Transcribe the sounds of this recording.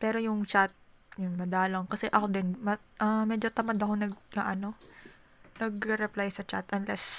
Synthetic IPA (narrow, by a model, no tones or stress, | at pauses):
pɛːɾo̞jʊŋt͡ʃat̪̚ | jʊnmɐd̪aːloŋkɐsɛʔɐko̞d̪ɪnmɐ | ʔamɛːd͡ʒo̞t̪ɐmad̪ɐkonɐɡ̚ɡaʔɐno̞ | nɐɡɾɛɾɛplajsɐt͡ʃa̰t̪ʔɐnlɛs